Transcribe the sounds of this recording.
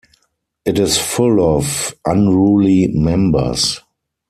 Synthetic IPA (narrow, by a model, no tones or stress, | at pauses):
ʔɪtɪsfʊlɔfʔãnɹuːlimɛ̃mbə̰˞s